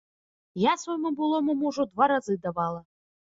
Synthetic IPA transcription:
jasvɔjmubɨlˠɔmɔmɔʐɔd̪vaɾazɨd̪avalˠɐ

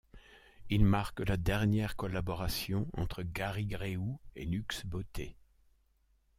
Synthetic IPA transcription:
ilmaʁkəlad̪ɛʁnjɛʁkɔlabɔʁasjɔ̃ɑ̰̃t̪χəɡaʁiɡʁeuḛnyksbot̪e

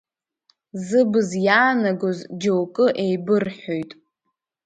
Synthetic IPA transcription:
zɨbɨzjaːnaɡozd͡ʒowkʼɨʔejbɨrħojtʼ

